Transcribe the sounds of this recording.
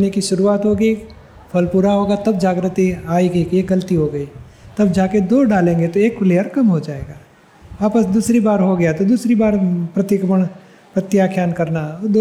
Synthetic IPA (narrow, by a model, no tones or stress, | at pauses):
nekiʃʊɾuaːt̪ɦoːɡi | pʰɐlpuɾaɦoːɡat̪ɐbd͡ʒaːɡɾət̪ːiaːiɡikieɡɐlt̪iɦoːɡɐi | t̪ɐbd͡ʒaːked̪oːɖaːlẽːŋɡet̪oeːkfleːəɾkɐmɦod͡ʒaːeːɡaː | aːpəsd̪uːsɾibaːɾɦoɡɐjat̪od̪uːsɾibaːɾpɾɐt̪ɪkməɳ̃ | pɐt̪ːjaːkʰjaːnkɐɾnad̪o